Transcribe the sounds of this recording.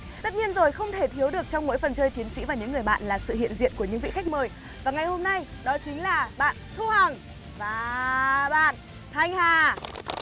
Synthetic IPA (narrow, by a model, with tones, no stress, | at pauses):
t̪ə˦˥t̚ɲi˧ənzo˨˩jxə˧wŋ͡mt̪ʰe˧˩t̪ʰi˨˦əwɗɨ˨˩ək̚t͡ɕɔ˧wŋ͡mmo̰˧˥jfə˨˩nt͡ɕəː˧jt͡ɕi˨˦ənsḭ˧˥vaː˨˩ɲɨ̰˧˥ŋː˨˩əjɓa̰ː˧˨nlaː˨˩sɨ̰˧˨hḭ˧˨ənzḭ˧˨ənku˧˩əɲɨ̰˧˥ŋvḭ˧˨xa˦˥k̚məː˨˩j | vaː˨˩ŋa˨˩jho˧mna˧jɗɔ˨˦t͡ɕï˨˦ŋ̟laː˨˩ɓa̰ː˧˨nt̪ʰu˧hə˨˩ŋ | vaː˨˩ɓa̰ː˧˨n | t̪ʰa˧jŋ̟haː˨˩